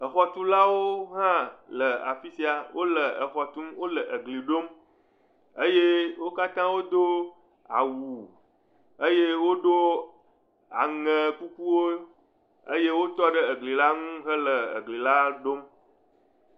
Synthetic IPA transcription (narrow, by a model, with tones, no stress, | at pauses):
ə˨xɔ˦t̪u˦la˦wo˦ɦã˦lə˨a̰˨fi˦si˦a˨wʔo˦lə˨ə˨xɔ˨t̪u˦mwo˦lə˨ʔə˨ɡli˨ɖo˦m | ə˦je˦wo˦ka˦t̪ã˦wo˦d̪o˦ | a̰˨wu˨ | ə˦je˦wo˦ɖo˦ | a̰˨ŋə̃˨ku˦ku˦wo˦ | ə˦je˦wo˦t̪ɔ˦ɖə˦ə˨ɡli˨la˦ŋũ˦ɦə˦lə˨ə̰˨ɡli˨la˦ɖo˦m